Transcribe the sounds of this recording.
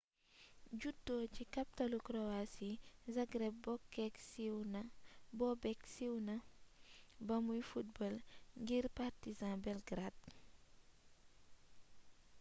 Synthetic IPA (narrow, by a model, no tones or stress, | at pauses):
ɟutːɔcikɐptɐlukɾɔasizɐɡɾɛp̚bɔkːɛksiwnɐbɔbɛksiwnɐ | bɐmujfut̚bɔlŋɡirpartizãbɛlɡɾad̚